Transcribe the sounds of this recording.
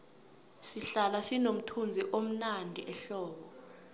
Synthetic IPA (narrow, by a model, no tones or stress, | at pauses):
siɬalasinom̩tʰund͡zʱiʔom̩nandʱiʔɛɬɔːɓɔ